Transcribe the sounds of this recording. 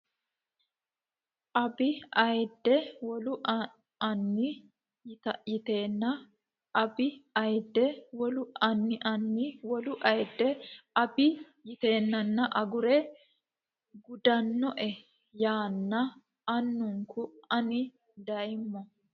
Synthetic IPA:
ʔɐbɪɐjd̪ːɛwɔlʊʔ | ɐnːɪ | jt̪ɐʔjɪt̪e̞ːnːɐ | ʔɐbɪɐjd̪ːɛwɔlʊɐnːɪʔɐnːɪwɔlʊʔɐjd̪ːɛʔɐbɪ | jɪt̪e̞ːnːɐnːɐʔɐɡʊɾɛ | ɡʊd̪ɐnːɔʔɛ | jaːnːɐ | ɐnːʊŋkʊɐnɪ | d̪ɐjɪmːɔ

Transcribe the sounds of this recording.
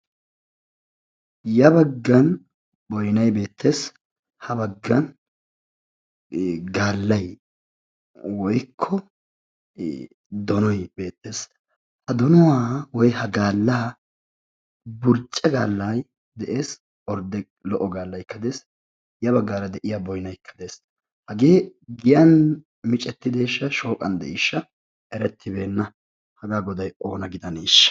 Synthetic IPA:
jɐbɐɡːɐn | bɔjnɐjbe̞ːt̪ʰːe̞ːs | hɐbɐɡːɐn | ɡaːlːɐj | wɔjkʰːɔ | d̪ɔnɔjbe̞ːt̪ːe̞ːs | hɐd̪ɔnɔwaːwɔjhɐɡaːlːaː | bʊɾt͡ʃʼːɛɡaːlːaj | d̪ɛʔe̞ːs | ɔɾd̪ɛ | lɔʔɔɡaːlːɐjkːɐd̪e̞ːs | jɐβɐɡːaːɾɐd̪ɛʔɪjabɔjnɐjkːɐ̥d̪e̞ːs | hɐɡeːɡɪjɐn | mɪt͡ʃʼɛt̪ːɪd̪eːʃːɐʃo̞ːkʼɐnd̪ɛ̰ʔɪʃːɐ | ɛɾɛt̪ʰːɪbe̞ːnːɐ | hɐɡaːɡɔd̪ɐjʔo̞ːnɐɡɪd̪ɐniːʃːɐ̥

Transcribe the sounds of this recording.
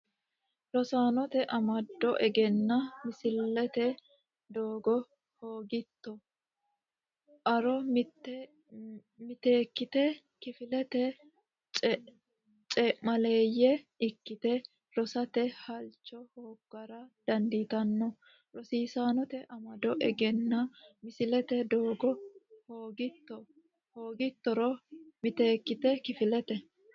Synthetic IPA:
lɔsaːnɔt̪ɛʔɐmɐd̪ːɔʔɛɡɛnːɐmɪsɪlːɛt̪ɛ | d̪oːɡɔ | hoːɡɪt̪ːɔ | ʔɐɾɔ | mɪt̪e̞ːkːɪt̪ɛ | kɪfɪlɛt̪ɛ | t͡ʃʼɛʔmɐle̞ːjɛɪkːɪt̪ɛ | lɔsɐt̪ɛhɐlt͡ʃːɔhoːkːɐɾɐd̪̥ɐnd̪it̪ɐnːɔ | ɾɔsiːsaːnɔt̪ɛʔɐmɐd̪ɔʔɛɡɛnːɐmɪsɪlɛt̪ɛd̪oːɡɔhoːɡɪt̪ːɔ | hoːɡɪt̪ːɔɾɔmɪt̪e̞ːkːɪt̪ɛkɪfɪlɛt̪ɛ

